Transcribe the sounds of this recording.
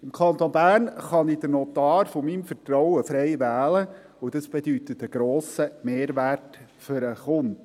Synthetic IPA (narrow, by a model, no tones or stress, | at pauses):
ɪmkʰɑnt̪onbæːrnχɑnid̥əɾnɔt̪ɑːɾfomimfətɾɔwəfɾɛɪʋæːlə | ʊd̥ɑsb̥ed̪yt̪ətəɡ̥ɾoːsəmeːɾʋært | fʏɾəχʊnd